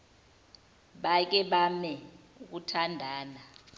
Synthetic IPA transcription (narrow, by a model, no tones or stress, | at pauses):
ɓak̬ɛɓamɛ | uk̬utʰandʱaːna